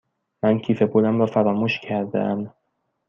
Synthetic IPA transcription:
mæncʰiːfe̞bolæmɾɒːfæɾɒːmuːʃcʰæɾd̪ḛʔæm

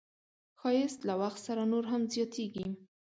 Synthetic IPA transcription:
xɑjɪst̪lawaxt̪saɾanoɾɦamzjɑt̪ʰeɡi

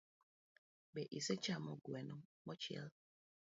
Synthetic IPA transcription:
bɛʔiset͡ʃamɔɡwɛnɔmɔt͡ʃiɛ̰l

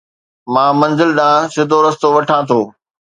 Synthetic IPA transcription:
mãːmɐ̃nzɪlɗãːsɪd̪ʱoɾɐst̪oʋɐʈʰãːt̪ʰoː

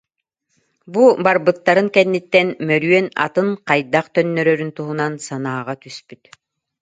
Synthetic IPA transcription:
bubaɾbɯt̪ːaɾɯŋkɛnːit̪ːɛnmœɾyœna̰t̪ɯŋqajd̪aqt̪œnːœɾœɾynt̪uɦunansanaːʁat̪yspyt̪

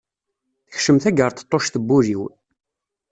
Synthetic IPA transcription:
θəçʃəmθæɡəɾt̪ə̥t̪ˤːoʃθəbːuɾiw

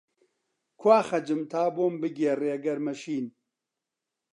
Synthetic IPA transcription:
kʰwaːxɐd͡ʒɨmt̪ʰaːboːmbɨɡʲeːreːɐɡɐɾmɐʃiːn

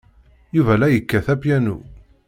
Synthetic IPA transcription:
juvælæjəkːæθæpjænṵ

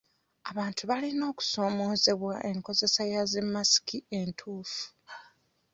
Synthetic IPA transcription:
aβaːntuβalino̞ːku̥so̞ːmo̞ːze̞βwaʔe̞ŋko̞ze̞sajazemːasi̥kiʔe̞ntʰuːfu̥

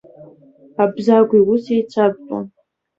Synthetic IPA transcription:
abzaɡʷiwusejt͡sʷʰab̚pʼo̰n

